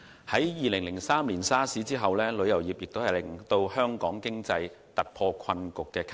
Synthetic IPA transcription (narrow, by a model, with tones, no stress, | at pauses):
hɐ˨˥jjiː˨lɪ˨˩ŋlɪ˨˩ŋsaː˥mliː˨˩nsaː˥siː˨˥t͡siː˥ɦɐ˨wlɛː˥lɵ˨˧ɥjɐ˨˩wjiː˨p̚jɪ˨k̚t̪o˥whjlɪ˨˩ŋt̪o˧whœː˥ŋkɔː˨˥ŋkɪ˥ŋt͡sɐ˧j | t̪ɐ˨t̚pʰɔː˧kʰɐ˧nkʊ˨kːɛː˧kʰ